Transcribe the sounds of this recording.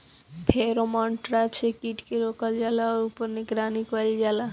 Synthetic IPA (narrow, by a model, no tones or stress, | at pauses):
pʰeɾomɔɳʈɾapsekiʈkeɾokald͡ʑɛlaoɾupoɾniɡɾanikalid͡ʑala